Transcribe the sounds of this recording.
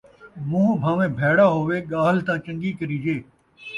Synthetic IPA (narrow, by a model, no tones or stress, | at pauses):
mũːbʱãːʋẽːbʱeːɽaːɦoːʋeːɠaːɦlt̪ãːt͡ʃə̃ŋɡiːkəɾiːd͡ʒeː